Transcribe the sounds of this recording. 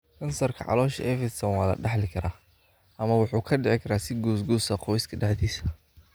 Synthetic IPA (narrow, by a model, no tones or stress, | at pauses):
kʰɐnsɐrkʰɐ̰ʕɑ̰lɔːʃɐ̰ʔɛfɪsɐwaːlɐ̰ɖɑħlɪkʰɐɾaː | ʔɐmɐwʊħuːkʰɐɖɛʕɪkʰɐɾaːsɪɡuːsɡuːsɐqɔjskʰɐɖɑħd̪iːsɐ